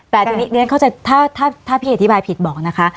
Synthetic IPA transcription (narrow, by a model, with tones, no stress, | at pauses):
t̪ɛː˨˩t̪ʰiː˧ni˦˥nɯ˧˦˥nŋkʰa˥wt͡ɕa˨˧t̪ʰaː˥˩t̪ʰaː˥˩t̪ʰaː˥˩pʰiː˥˩ʔt̪ʰi˦˥baː˧jpʰi˨˩t̪̚bɔː˨˩k̚na˦˥kʰa˦˥ʔ